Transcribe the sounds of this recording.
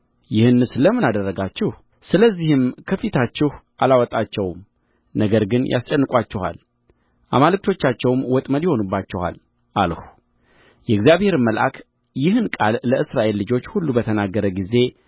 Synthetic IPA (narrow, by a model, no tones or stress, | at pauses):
jɪhɨnːɨsləmɨnad̪ərːəɡat͡ʃːɪh | sɨləzːihɨmkʰəfit̪ʰat͡ʃːɪhʔalawɔt̪ʼat͡ʃːɛwm | nəɡəɾɡɨnjʔa̰st͡ʃʼɛnːɨkʼat͡ʃːɛha̰l | ʔa̰malɨk̚t̪ʰo̞t͡ʃːat͡ʃːɛwmwɔt̪ʼməd̪jɛho̞nubːat͡ʃːɛha̰l | ʔalhu | jɛɡzjaβhe̞ɾɨmːəlʔa̰kʰ | jɪhɨnkʼalːəʔɨsɾaʔe̞lːɨd͡ʒo̞t͡ʃːhulːubət̪ʰənaɡːəɾəɡize̞